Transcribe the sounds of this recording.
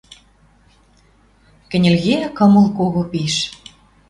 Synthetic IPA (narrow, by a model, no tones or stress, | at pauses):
kɘ̆nʲĕlʲɣekɤ̆mə̆lˠkoɣopiʃ